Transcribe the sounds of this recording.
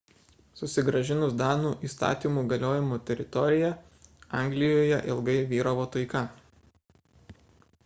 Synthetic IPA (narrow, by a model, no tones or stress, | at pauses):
sʊsʲɪɡɾɐʒʲɪnʊsd̪ɑːnuːʔiːst̪ɑ̰ːt̪ʲiːmuːɡɐlʲoːjɪmoːt̪ʲɛɾʲɪt̪ɔɾʲɪjɛ | ɑˑŋʲɡlʲɪjoːjɛʔɪlˠɡɐɪʋʲiːɾɐʋoːt̪ɐɪkɐ